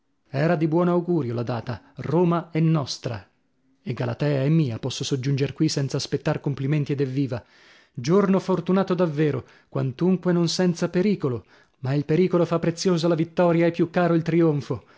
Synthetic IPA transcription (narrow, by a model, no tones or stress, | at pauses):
ɛːɾad̪ibwɔːnoawɡuːɾjolad̪aːt̪a | roːmaɛnːɔst̪ɾa̰ | eɡalat̪ɛːaemːiːapɔsːosod͡ʒːund͡ʒerkwisɛnt̪saːspet̪ːarkompliment̪ied̪ɛvːiːva | d͡ʒornofort̪unaːt̪od̪avːeːɾo | kwant̪uŋkwenonsɛnt̪sapeɾiːkolo | mailpeɾiːkolofapːɾet̪sːjoːzalavit̪ːɔːɾjaepːjukːaːɾoilt̪ɾioɱfo